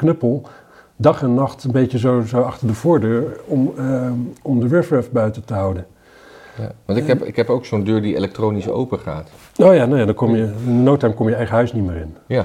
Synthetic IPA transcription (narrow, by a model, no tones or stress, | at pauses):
knøpəlˠ | dɑχɛnːɑχtənbejəzozowɑχtəɹdəvʊːɹdøːɹɔm | ɔmdəʋɪɹfɹɛfbœɥtətəɦʌwdən | jaʋɑntɪkɛpɪ̰kɦɛpowksondøːɹdiḛlɛk̚trowniso̰wpəχa̰ːt | owjaːnowjaːdɑɹkɔmjəɪndənowtɛɹmkɔmjəɛjχəɦœɥsnimɪːɹɪnja